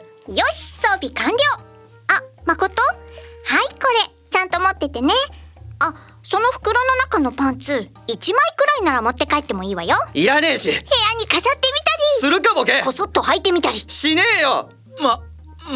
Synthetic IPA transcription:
jo̞ɕi̥so̞ːbʲikãnɾʲjo̞ː | amako̞t̪o̞haiko̞ɾe̞ | t͡ɕãnt̪o̞mo̞t̪ːe̞t̪e̞ne̞a | so̞no̞ɸɯ̟̥kɯ̟ɾo̞no̞nakano̞pãnt͡sɨː | it͡ɕimaikɯ̟ɾainaɾamo̞t̪ːe̞kae̞t̪ːe̞mo̞iːβajoiɾane̞ːɕihe̞ːaɲ̟ːikasat̪ːe̞mʲit̪aɾʲisɨɾɯ̟kamokeko̞sot̪ːo̞hait̪ːe̞mʲit̪aɾʲiɕine̞ːjo̰ | m

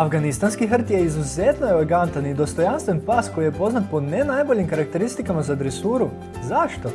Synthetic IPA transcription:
afɡanist̪anskiɦr̩t̪je̞izuzet̪noeleɡant̪anid̪o̞st̪o̞janst̪ʋenpaːsko̞jijepo̞znat̪̚po̞nenajbo̞ʎimkaɾakt̪e̞ɾist̪ikamazaːd̪ɾesuːɾu | zaʃt̪o̞

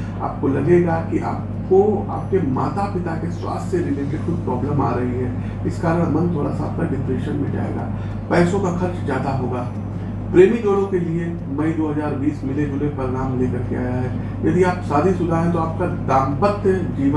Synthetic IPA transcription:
a̰ːp̚kolɐɡeɡakiʔa̰ːp̚ | koa̰ːp̚kema̰ːt̪apɪt̪akeswa̰ːst̪ʰjəɾɪleʈexʊd̪̚pɾɔːbləma̰ːɾɐɦiɦɛː | ɪskaːɾəɽ̃mɐ̃nt̪ʰoːɽa̰saːp̚kaɖɪpɾeːʃənmẽd͡ʒa̰ːḛɡa̰ː | pɛːsõkaxɐɾt͡ʃzjaːd̪aɦoːɡaː | pɾeːmiɡoɽõkelie | mɐid̪oːɦɐzaːɾbiːsmɪleɡʊlepɐɾɪɾaːmleːkɐɾkea̰ːjaɦɛː | jɐd̪iaːpsaːd̪ʱisʊd̪ʱaɦɛ̃t̪oaːp̚kad̪aːmbət̪jəd͡ʒiːʋ

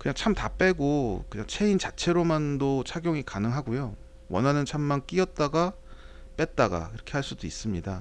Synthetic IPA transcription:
kɯɲaŋt͡ɕʰamtap͈e̞ɡokɯɲaŋt͡ɕʰe̞int͡ɕat͡ɕʰe̞ɾomandot͡ɕʰaɡjoŋikanɯŋɦaɡojo | wʌnɦanɯnt͡ɕʰamːank͈iʌt̚t͈aɡa | p͈e̞t̚t͈aɡa̰iɾʌkʰe̞haɭs͈udois͈ɯmɲida

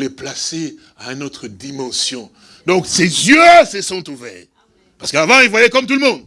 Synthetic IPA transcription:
lɛplase | aynot̪χəd̪imɑ̃sjɔ̃ | d̪ɔ̃ksezjøsəsɔ̃t̪uvɛʁ | paʁsəkəavɑ̃ilvwajɛkɔmt̪ulmɔ̃d̪

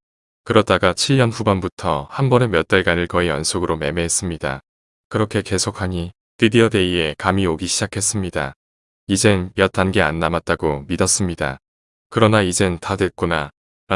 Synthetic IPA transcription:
kɯɾʌt͈aɡat͡ɕʰiɭɲʌnɸubʌnbutʰʌhambʌne̞mjʌt̚t͈aɭɡanɯɭkʌijʌnsʰoɡɯɾome̞me̞ɦes͈ɯmɲida̰ | kɯɾʌkʰe̞ke̞sʰok̚ʰaɲi | tidiʌde̞ie̞kamioɡiɕʰid͡ʑakʰe̞s͈ɯmɲida̰ | id͡ʑe̞nmjʌt̚t͈anɡe̞anːamat̚t͈aɡomidʌs͈ɯmɲida̰ | kɯɾʌnaid͡ʑe̞ntadwe̞t̚k͈ona | ɾ

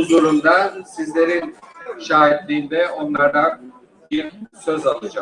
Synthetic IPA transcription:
uzuɾumd̪asizlʲe̞ɾinʃaːɦit̪lʲiːnd̪ɛo̞nlˠaɾd̪an | biɾsøzalˠːad͡ʒa

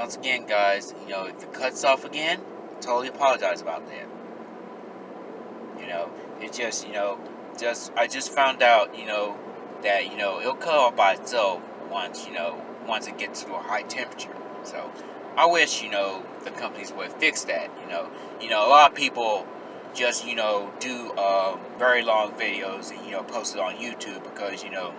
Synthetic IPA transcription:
wʌ̃nsɨɡɛ̃nɡaɪz̥jɨnoʊɨfɨt̚kʰʌtsɔfɨɡɛ̃n | tʰoʊlˠiəpʰɑlˠəd͡ʒaɪzəbaʊt̪̚ðæ̰t̚ | jɨnoʊ | ɨt̚d̥ʒ̥ʌstjɨnoʊ | d̥ʒ̥ʌstaɪd͡ʒʌstfãʊ̃ndaʊtjɨnoʊ | ðɨʔ̚jɨnoʊɪl̩ˠkʰʌɾɔfb̥aɪso | wʌ̃nsjɨnoʊ | wʌ̃nsɨt̚ɡ̥ɛtsɹuəhaɪtʰɛ̃mpɹət͡ʃə̰˞ | soʊ | ʔaɪwɪʃjɨnoʊ | ðɨkʰʌ̃mpɨnizwɪɨ̥fɪksðɨt̚jɨnoʊ | jɨnoʊəlɔɾʌ̥pipl̩̥ˠ | d͡ʒʌst̚jɨnoʊdɨʌ̃mvɛɹilɔ̃ŋvɪɾioʊzɨ̃njɨnoʊpʰoʊstɨɾn̩jʉtʰʉb̚ɨkʰʌzjɨnoʊ

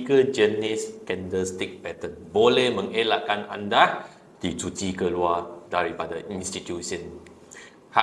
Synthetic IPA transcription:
ɡəd͡ʒəniskɛ̃ndəst̪ik̚pɛt̪ə̃nbolehmə̃ŋelaʔkãnã̰nda | d̥itutikəluadaɹipadəĩnstit̪jusə̃n | ha

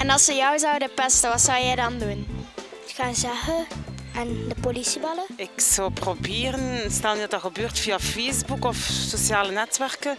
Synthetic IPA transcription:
ɛnɑlˠsəjɔwzɔwdəpɛstəʋɑtsɔwjɛjdɑndun | xaːnzaxəandəpolisibɑləɪksɔwprobɪːrənstɛlˠnydɑtəxəbøːrtfiafejzbukɔfsosjaːlənɛtʋɛrkə

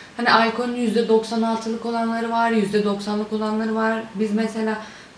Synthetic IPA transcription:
haniʔajkʰonynjyzd̪ɛd̪o̞ksanalˠt̪ʰɯlˠɯko̞lˠanlˠaɾɯvaɾjyzd̪ɛd̪o̞ksanlˠɯko̞lˠanlˠaɾɯvaɾbizmɛse̞lʲaː

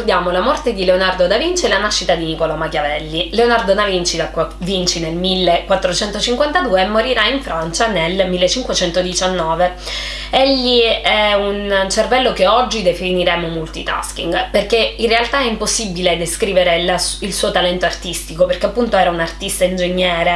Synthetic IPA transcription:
d̪jaːmolamɔrt̪ed̪ileonard̪od̪avint͡ʃelanaʃːit̪ad̪inikɔlamakjavɛlːileonard̪od̪avint͡ʃid̪akːa | vint͡ʃinelmilːekwat̪ːɾot͡ʃɛnt̪ot͡ʃiŋkwant̪ad̪uːeːmːoɾiɾaiɱfɾant͡ʃanelmilːet͡ʃːiŋkwet͡ʃɛnt̪od̪it͡ʃanːɔːve | ɛʎːiɛunt͡ʃervɛlːokeɔd͡ʒːid̪efiniɾɛːmomult̪it̪a̰skḭŋɡperkeinrːealt̪aɛimposːibiled̪eskɾiːveɾelasilsuːot̪alɛnt̪oart̪ist̪ikoperkeapːunt̪oɛːɾaunart̪ist̪aind͡ʒeɲːɛːɾe

